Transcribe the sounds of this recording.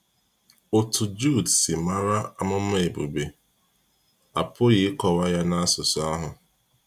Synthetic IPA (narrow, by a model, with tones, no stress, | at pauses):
o˨tu˨d͡ʒu˦˨dsɪ˨ma˦ɾa˦a˦mʊ˦m̩˦e˨bo˨be˦ | a̰˨pʊ˦ɣɪ˨ɪ˦kɔ˨wa˦ja˦na˦a˦sʊ˨sɔ˦a˦ɦʊ˨